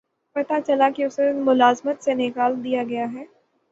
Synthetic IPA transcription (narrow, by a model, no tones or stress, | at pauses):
pɐt̪at͡ʃɐlakiʊsemʊlaːzmət̪senɪkaːld̪ijaɡɐjaɦɛː